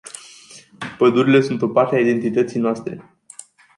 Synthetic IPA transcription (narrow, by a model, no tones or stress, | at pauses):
pəd̪uɾile̞sunt̪o̞part̪eaid̪e̞nt̪it̪ət̪sijnoast̪ɾe̞̰